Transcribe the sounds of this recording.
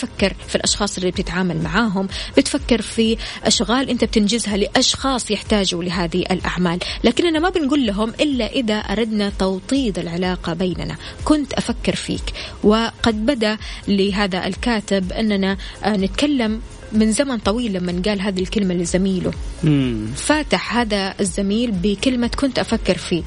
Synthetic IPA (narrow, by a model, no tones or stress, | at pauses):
fakːɪɾfilʔɑʃxɑːsˤliib̚t̪ɪt̪ʕaːmalmaʕaːɦʊmbɪt̪fakːɪɾfiʔaʃɣaːlʔɪnt̪ab̚t̪ɪnd͡ʒɪzhalɪʔɑʃxɑːsˤjɪħt̪aːd͡ʒʊlɪɦaːðiʔa̰lʔa̰ʕmaːlːaːkɪnʔanamabɪnɡuːlːaɦʊmʔɪlːaʔɪðaʔɑ̰ɾˤɑd̪nat̪ɑwt̪ˤiːd̪ˤɪlʕɪlaːqɑbeːna̰na̰kʊnt̪ʔafakːɪɾfḭːkwɪqɑd̪̚bad̪alɪɦaːðaʔɪ̰lkaːt̪ɪbʔɪnːananɪt̪kalːamː | ɪnzamant̪ˤɑwiːlːamːanɡaːlɦaːðilkɪlmalɪzamiːlʊ̰ | faːt̪ɪħhaːðaazːamiːlbɪkɪlmakʊnt̪ʔafakːɪɾfiː